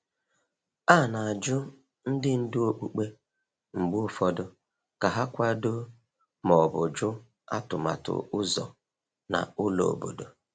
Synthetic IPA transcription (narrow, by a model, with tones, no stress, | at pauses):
a˦˨na˨a˨d͡ʒʊ˦ | n̩˦dɪ˦n̩˦dʊ˦o˦k͡pu˨k͡pe˦ | ŋ͡m̩˨ɡ͡bʊ˦ʊ˦fɔ˦dʊ˦ | ka˨ɦa˦kʷa˦do˦ | mɔ˨bʊ˨d͡ʒʊ˦ | a̰˦tʊ˨ma̰˨tʊ̰˨ʊ˦zɔ̰˨ | na̰˨ʊ˦lo̰˨o̰˨bo̰˨do˨